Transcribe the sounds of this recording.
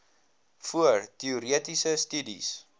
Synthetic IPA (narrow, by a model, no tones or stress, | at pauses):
fuərtiuɾiətisəstydḭs